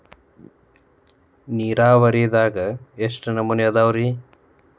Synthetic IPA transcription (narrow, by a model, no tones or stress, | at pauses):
niːɾaːʋɐɾiːd̪aːɡɐeʂʈɐnɐmunjɐd̪aːwɾi